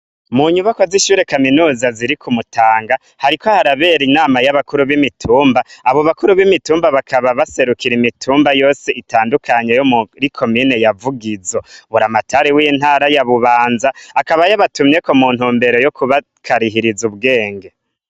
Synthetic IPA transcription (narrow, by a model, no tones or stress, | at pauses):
muɲuβakoziʃuːɾe̞kaminuːzaziɾikʰumutʰaːŋɡa | haɾikʰo̞haɾaβe̞ɾinaːmajaβakuɾuβimitʰuːmbaːβo̞βakuɾuβimituːmbaβakʰaβaβase̞ɾukiɾimitʰuːmbajo̞ːseʔitaːndukʰaɲe̞jomuɾikʰo̞mine̞javuɡizoβuɾamatʰaɾewiːn̥haːɾajaβuβaːnzaːkaβajaβatumɲe̞ko̞muːn̥uːmbe̞ɾo̞jokuβa | kʰaɾiɦiɾizuβɡe̞ːŋɡe